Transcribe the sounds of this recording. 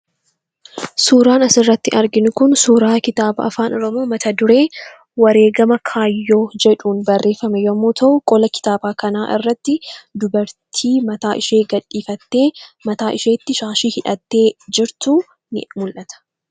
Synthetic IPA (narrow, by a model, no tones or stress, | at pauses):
suːɾaːnɐsɪrːɐt̪ːɪʔɐɾɡɪnʊkʊnsuːɾaːkɪt̪aːbɐ̰ɐ̰faːnɔɾɔmoːmɐt̪ʰɐd̪ʊɾe̞ː | wɐɾe̞ːɡɐmɐkʰaːjːo̞ːd͡ʒɛᶑuːnbɐrːe̞ːfɐmɛjmːoːt̪ʰɐʔʊkʼɔlɐkɪ̥t̪aːbaːkɐnaːʔɪ̰rːɐt̪ːɪd̪ʊbɐɾt̪ʰiːmɐt̪aːʔɪʃe̞ːɡɐᶑːiːfɐt̪ːe̞ːmɐt̪aːʔɪʃeːt̪ːɪʃaːʃiːhɪᶑɐt̪ːe̞ːd͡ʒɪɾt̪ʊ | mʊlʔɐt̪ɐ̥